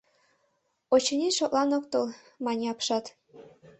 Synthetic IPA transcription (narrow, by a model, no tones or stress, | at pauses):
ot͡ɕɤnʲiʃoʔlˠɑnok̚t̪ɤlˠ | mɑnʲeɑpʃɑt̪